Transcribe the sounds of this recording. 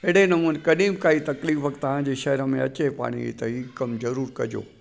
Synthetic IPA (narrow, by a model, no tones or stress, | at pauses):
ɪɽenɐmuːnekɐɗĩːmkaːit̪ɐkliːfəkt̪ɐʋãd͡ʑiːʃɐɦɾəmẽɐt͡ɕepa̰ːɽ̃ḭt̪ɐɦiːkɐmzɐɾuːɾkɐ̰d͡ʑo̰ː